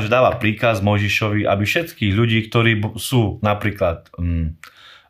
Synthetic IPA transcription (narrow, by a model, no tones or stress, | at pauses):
ʒɛd̪aːʋapɾiːkazmɔjʒiʃɔʋiʔa̰bifʃɛt̪kiːɣʎuɟiːkt̪ɔɾiːbsuːnapɾiːklat̪